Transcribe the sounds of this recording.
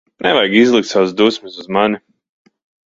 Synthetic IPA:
nɛvajɡizlˠɨk̚t̪sawsd̪usmɨsuzmani

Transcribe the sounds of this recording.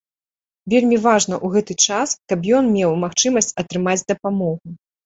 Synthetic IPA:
vʲelʲmʲivaʐnɐʔuɣɛt̪ɨt͡ʂaskɐbjɔnmʲɛwmaxt͡ʂɨmɐsʲt͡sʲɐt̪ɾɨmad͡zʲd̪ɐpamɔɣu

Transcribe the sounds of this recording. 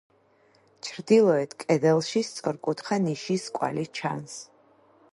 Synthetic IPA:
t͡ʃʰɾd̪ilˠɔɛt̪ʰkʼɛd̪ɛlˠʃist̪sʼɔɾkʼut̪χaniʃiskʼwa̰lit͡ʃʰa̰ns

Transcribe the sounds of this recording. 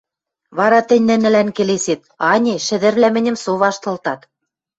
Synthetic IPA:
βɑɾɑt̪ɘ̆nʲːɘ̆nɘ̆lænkeleset̪̚ɑnʲiʃɘ̆ðɘ̆ɾβlʲæmɘ̆nʲɘ̆msoβɑʃt̪ɤ̆lt̪ɑt̪

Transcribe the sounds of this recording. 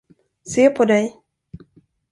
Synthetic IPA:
seːpʰɔd̪ɛj

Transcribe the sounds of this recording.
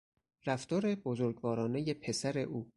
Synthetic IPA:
ɾæft̪ɒːɾe̞bozoɾɡvɒːɾɒːne̞je̞pʰe̞sæɾe̞̰ʔuː

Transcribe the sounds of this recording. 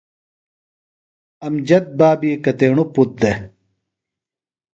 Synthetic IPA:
ɐmd͡ʑɐt̪̚baːbikɐt̪eːɳuput̪̚d̪e

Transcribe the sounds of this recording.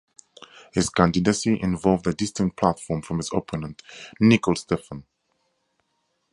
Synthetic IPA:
hɪz̥kʰæ̃ndɨdəsiʔɪ̃nvɔlˠvdədɪstɪ̃ŋ̚pʰl̥atfɔɹmfɹʌ̃mɪzo̰pʰənə̃ntnɪklˠstɛfə̃n

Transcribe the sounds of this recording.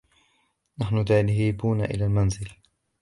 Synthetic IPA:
naħnʊt̪aʕlɦiːbuːnaʔɪ̰laːlmanzɪl

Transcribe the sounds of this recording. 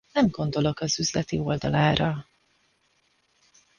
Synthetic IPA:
ɛmɡo̞nd̪o̞lo̞kɒzyzlɛt̪io̞ld̪ɒlaːɾɒ

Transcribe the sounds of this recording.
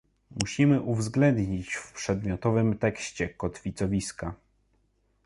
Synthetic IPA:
muɕimɘʔuvzɡlɛnd̪ɲit͡ɕfpʂɛd̪mʲjɔt̪ɔvɘmt̪ɛkɕt͡ɕɛkɔt̪fʲit̪sɔvʲiska

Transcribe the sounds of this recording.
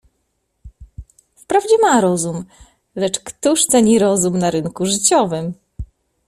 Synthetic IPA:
fpɾavd͡ʑɛmaɾɔzum | lɛt͡ʂkt̪uʂt̪sɛɲiɾɔzumnaɾɘnkuʐɘt͡ɕɔvɘm

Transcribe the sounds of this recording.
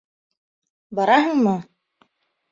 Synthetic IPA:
bɑɾɑɦɤɴmɤ

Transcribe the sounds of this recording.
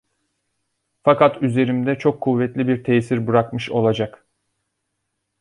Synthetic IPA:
fakat̪yze̞ɾimd̪ɛt͡ʃʰo̞kʰːuvːɛt̪lʲibiɾt̪ʰeːsiɾbɯɾakmɯʃo̞lˠad͡ʒak

